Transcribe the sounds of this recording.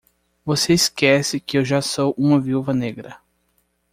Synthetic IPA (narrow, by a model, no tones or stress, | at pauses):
voseiskɛsɪkɪewʒasowʔũmɐviuvɐneɡɾɐ